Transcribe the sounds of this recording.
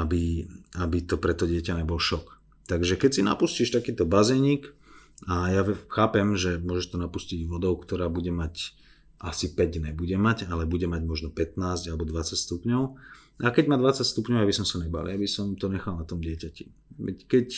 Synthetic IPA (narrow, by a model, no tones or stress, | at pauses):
abiabit̪ɔpɾɛt̪ɔɟɪɛcaɲɛbɔlʃɔk | t̪aɡʒɛkɛcsina̰pusciʃt̪akiːt̪ɔbazɛɲiːkajaxaːpɛmʒɛmʊɔʒɛʃt̪ɔnapusciɟʋɔd̪ɔʊkt̪ɔɾaːbuɟɛmac | ʔasipɛɟnɛbuɟɛmaɟalɛbuɟɛmaɟmɔʒnɔpɛt̪naːzɟalɛbɔd̪ʋat͡sacst̪upɲɔʊ | ʔakɛɟmad̪ʋat͡sacst̪upɲɔʊabisɔmsaɲɛba̰lḭabisɔmt̪ɔɲɛxalnat̪ɔmdɪɛcaci̥̰ʋɛ̰ckɛc